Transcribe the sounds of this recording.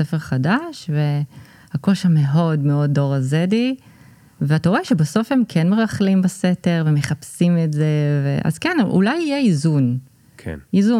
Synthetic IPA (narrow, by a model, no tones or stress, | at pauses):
sefeʁχadaʃve | hako̞ʃame̞o̞dmeo̞dːo̞ʁazedi | veataʁoeʃebaso̞fhe̞mkʰenmeʁaχlimbasete̞ʁvemeχapsimetze̞veʔa̰zkenʔṵlajijeizun | kʰḛnizu